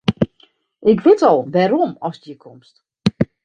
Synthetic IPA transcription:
ʔɪkʋɪtɔlˠʋɛɾomɔsjəkʰɔmst

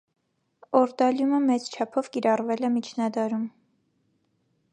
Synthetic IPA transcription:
ɔɾd̪ɑljuməmɛt͡st͡ʃʰɑpʰɔvkiɾɑrvɛlɛmit͡ʃʰnɑd̪ɑɾum

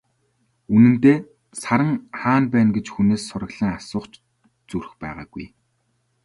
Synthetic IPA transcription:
unɘ̆nt̪eː | saɾə̆ŋχaːnpæːnɡet͡ɕxuneːsːʊɾə̆ɣɮ̥ĭŋasʊːχt͡ɕ | t͡suɾ̆xpæ̰ːʁa̰ːɡuj

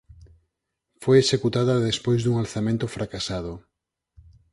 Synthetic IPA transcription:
fojesekut̪aðɐðespojzðuŋalθamẽnt̪ofɾakasað̞o

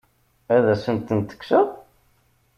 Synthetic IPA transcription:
æðæsənt̪ːənt̪ə̥ksəʁ

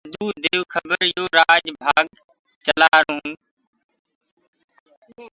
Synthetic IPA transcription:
d̪uːd̪eːʋkʰəbəɾjoːɾaːd͡ʒbʱaːɡ | t͡ʃəlaːɾũː

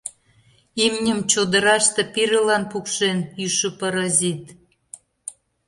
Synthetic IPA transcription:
imnʲəmt͡ɕod̪ə̆ɾɑʃt̪ɤ̆piɾə̆lɑnpukʃenyʃəpɑɾɑzit̪

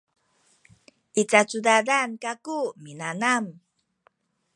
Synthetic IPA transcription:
ʔit͡sat͡sudadankakuminanam

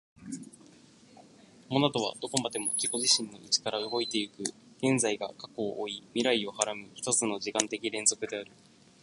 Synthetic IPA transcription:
omonat̪o̞β̞a̰d̪o̞ko̞mad̪e̞mo̞kʲiko̞ʑiɕĩnːo̞it͡ɕi̥kaɾaɯɡo̞it̪e̞ɯ̟kɯ̟ | ɡ̥ẽ̞nzaiɡa̰kḁko̞ʔːimʲiɾaio̞haɾamɯ̟ɸɯ̥t̪ot͡sɨno̞ʑikãnt̪e̞kʲiɾẽ̞nzo̞kɯ̟d̪e̞aɾɯ̟

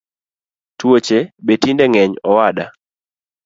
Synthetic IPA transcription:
twot͡ʃebetindɛŋɛɲɔwaɗa

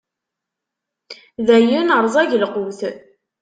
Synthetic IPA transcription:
ðæjinəɾˤzˤæʝəlqʊwθ

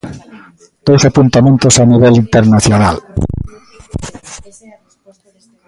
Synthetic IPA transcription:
d̪̥owsapunt̪amẽnt̪osaniβ̞elint̪eɾnaθjonal

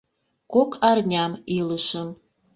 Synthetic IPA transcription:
kokʰɑrnʲɑmiləʃəm

